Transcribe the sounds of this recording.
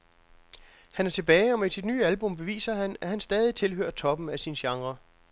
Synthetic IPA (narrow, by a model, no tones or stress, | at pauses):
hænæɐt͡sʰe̝b̥ɛːɪɒ̽misid̥nyːælb̥ɔ̽mb̥e̝ʋḭːsɐɦænæhænsd̥ɛːð̞ˠit͡sʰe̝lɦø̰ːɐt͡sʰɒ̽b̥m̩æsinɕɑ̈ŋʁɐ